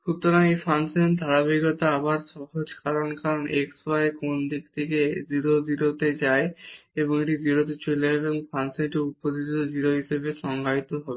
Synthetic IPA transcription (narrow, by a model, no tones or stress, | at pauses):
ʃut̪oɾaejfansend̪ʱaɾabiɡot̪aabaɾʃɔɦod͡ʑkʰaɾonkaɾoneksaekond̪ikt̪ʰeked͡ʑiɾod̪iɾot̪ed͡ʑaeeboŋeʈid͡ʑiɾot̪̬et͡ɕeleoŋfansenʈiupod̪ʱitt̪od͡ʑiɾoɦiʃebeʃɔŋɡait̪oɦɔbe